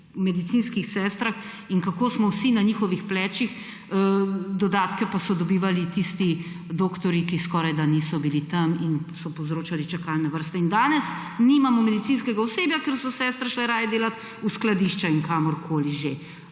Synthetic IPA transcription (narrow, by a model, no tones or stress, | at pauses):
mɛd̪it̪sinskixsɛːst̪ɾax | iŋkakoːsmɔwsinaɲixɔʋixplɛːt͡ʃix | d̪ɔd̪aːt̪kɛpasɔd̪ɔbiːʋalit̪ist̪i | d̪oːkt̪ɔɾikiskɔːɾajd̪anisɔbilit̪ɐminsɔpɔwzɾoːt͡ʃalit͡ʃakalnɛʋəɾst̪ɛind̪aːnɛs | nimamɔmɛd̪it̪siːnskɛɡaɔseːbjakeɾsɔsɛːst̪ɾaʃlɛɾaːjɛd̪eːlat̪ | usklad̪iʃt͡ʃaiŋkamɔɾkʰoːliʒe